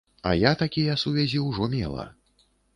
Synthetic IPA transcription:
ɐ̰jat̪akʲijɐsuvʲɛzʲiwʐɔmʲɛ̰lˠɐ̰

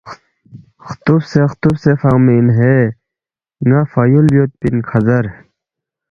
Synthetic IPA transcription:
xt̪ufsext̪ufsefaŋminɦe | ŋafɐjuljot̪̚pinkʰɐzɐɾ

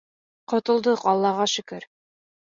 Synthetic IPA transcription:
qŏt̪ɤ̆lˠd̪ɤqɒlˠːɑʁɑʃɵ̆kɘɾ

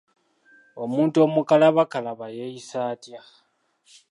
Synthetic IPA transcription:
o̞muːntuo̞mukalaβakalaβajejisaːtja

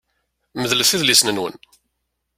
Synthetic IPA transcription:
məðləfiðlisnənwə̰n

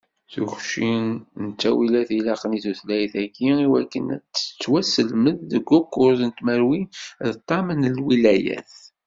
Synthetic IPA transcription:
θuçʃinnt͡sːæwilæθilɑqniθuθlæjθæɡiiwækːənæ̰t͡sːə̥t͡sːwæsəlməðːəɡːʊkːʊɾzənt̪məɾwinðt̪ˤːɑmənəlwilæjæ̰θ

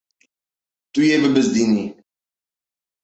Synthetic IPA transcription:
t̪ujeːbəbəzd̪ini

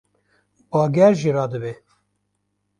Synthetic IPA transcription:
bɑːɡɛɾʒiɾɑːd̪ɨbe

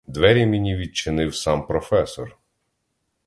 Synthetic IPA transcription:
d̪ʋɛɾʲimʲinʲiʋʲid̪̚t͡ʃɪnɪwsɑmpɾɔfɛsɔr

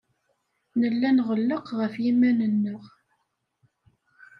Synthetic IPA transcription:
nəlːænʁəlːəqʁəfjimːænənːəʁ

